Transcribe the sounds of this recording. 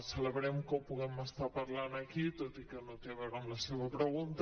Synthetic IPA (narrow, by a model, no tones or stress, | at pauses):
seleβɾemkopuɣemast̪aɾpaɾlanakit̪ot̪ikenot̪eaβeɾomlaseβapɾeɣunt̪